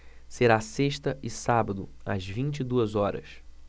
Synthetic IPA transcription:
seɾaseʃt̪ɐʔɪsabɐd̪ʊɐ̰zvĩnt͡ʃid̪uɐzɔɾɐ̰s

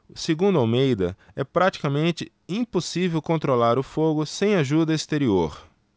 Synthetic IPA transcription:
seɡũnd̪ʊawmejd̪ɐ̰ | ɛpɾat͡ʃi̥kɐmẽnt͡ʃɪ | ĩposivewkõnt̪ɾolaɾʊfoɡʊsẽj̃aʒud̪ɐest̪eɾioɾ

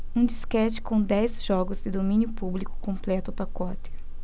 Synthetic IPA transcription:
ũd͡ʒiskɛt͡ʃɪ̥kõw̃d̪ɛzʒɔɡʊzd̪ɪd̪omĩnjʊpublikʊ̥kõmplɛt̪ʊpakɔt̪ɪ̥

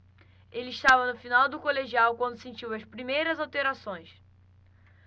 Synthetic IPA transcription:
elɪiʃt̪avɐnʊfinawd̪ʊkoleʒiawkwɐ̃nd̪ʊsẽt͡ʃiwɐspɾimejɾɐzawt̪eɾasõj̃s

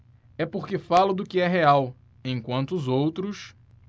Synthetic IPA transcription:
ɛpoɾkɪfalʊd̪ʊkɪɛɦeaw | ẽj̃kwɐ̃nt̪ʊːzowt̪ɾʊs

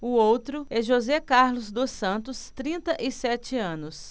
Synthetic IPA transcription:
ʊowt̪ɾʊɛʒozɛkaɾlʊzd̪osɐ̃nt̪ʊst̪ɾĩnt̪ɐʔɪsɛt͡ʃɪɐ̃nʊs

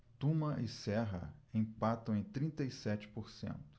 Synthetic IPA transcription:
t̪ũmɐʔɪsɛɦɐ̰ẽj̃pat̪ɐ̃w̃ẽj̃t̪ɾĩnt̪ɐisɛt͡ʃɪ̥poɾsḛ̃nt̪ʊ̥

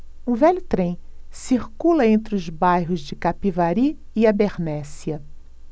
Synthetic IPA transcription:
ũvɛʎʊt̪ɾẽj̃siɾkulɐẽnt̪ɾɪʊzbajɦʊzd͡ʒɪkapivaɾi | ɪabeɾnɛsiɐ

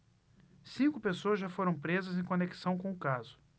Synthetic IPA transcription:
sĩŋkʊpesoɐzʒafoɾɐ̃w̃pɾezɐzẽj̃kõneki̥sɐ̃w̃kõʊkazʊ̥

